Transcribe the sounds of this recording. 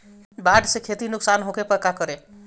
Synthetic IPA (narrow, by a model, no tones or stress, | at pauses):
baɖsekʰet̪inʊksanɦokepəɾkakəɾe